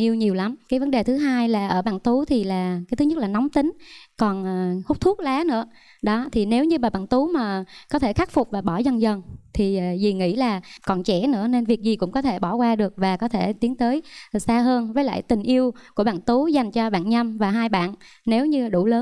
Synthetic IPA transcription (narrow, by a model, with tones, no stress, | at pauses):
ʔi˧əwɲi˨˩əwla˨˦mkaː˨˦jvə˨˦nɗe˨˩t̪ʰɨ˨˦ɦaː˧jlaː˨˩ʔəː˧˩ɓa̰ː˧˨nt̪u˨˦t̪ʰi˨˩laː˨˩kaː˨˦t̪ɨ˨˦ɲə˦˥t̚laː˨˩nɔ˨˦wŋ͡mt̪ï˨˦ŋ̟kɔ˨˩nʔəː˨˩hʊ˦˥k͡p̚t̪ʰu˦˥k̚laː˨˦nɨ̰˧˥ə | ɗɔ˨˦t̪ʰi˨˩ne˨˦wɲɨ˧maː˨˩ɓa̰ː˧˨nt̪u˨˦maː˨˩kɔ˨˦t̪ʰe˧˩xa˦˥k̚fʊ˨˩k͡p̚vaː˨˩ɓɔ˧˩zə˧˩nzə˨˩nt̪ʰi˨˩˨zi˨˩ŋḭ˧˥laː˨˩kɔ˨˩nt͡ɕɛ̰˧˩nɨ̰˧˥əne˧nvi˨˩ək̚zi˨˩kʊ̰˧˥ŋ͡mkɔ˨˦t̪ʰe˧˩ɓɔ˧˩kwaː˧ɗɨ˨˩ək̚vaː˨˩kɔ˨˦t̪ʰe˧˩t̪i˨˦əŋt̪əː˨˦jsaː˧ɦəː˧nvəː˨˦jla̰ː˧˨jt̪ï˨˩ŋ̟ʔi˧əwku˧˩əɓa̰ː˧˨nt̪u˨˦za˨˩jŋ̟t͡ɕɔ˧ɓa̰ː˧˨nɲa˧mvaː˨˩ɦaː˧jɓa̰ː˧˨nː | e˨˦wɲɨ˧˨˩ɗṵ˧˩ləː˨˦n